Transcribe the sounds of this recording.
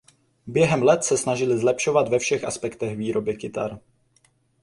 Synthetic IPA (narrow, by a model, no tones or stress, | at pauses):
bjɛɦɛmlɛt̪sɛsnaʒɪlɪzlɛpʃo̞vad̪vɛfʃɛxʔaspɛkt̪ɛxviːɾo̞bɪkɪt̪a̰ɾ